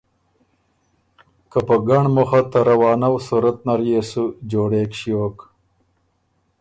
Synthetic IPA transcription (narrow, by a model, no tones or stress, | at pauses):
kapəɡaɳmoxat̪ɐɾɐwɑːnawsuɾɐt̪̚naɾjesud͡ʒoːɽekɕioːk